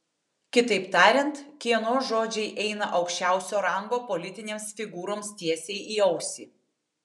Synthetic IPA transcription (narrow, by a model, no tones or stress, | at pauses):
kʲɪt̪ɐɪpt̪ɑːɾʲɛnt̪kʲiɛnoːsʒoːd͡ʒʲɛɪʔɛɪnɐʔɒʊkʃʲt͡ʃʲæˑʊsʲoːɾɐˑŋɡoːpɔlʲɪt̪ʲɪnʲeːmsfʲɪɡuːɾoːmst̪ʲiɛsʲeɪʔiːɐʊsʲḭː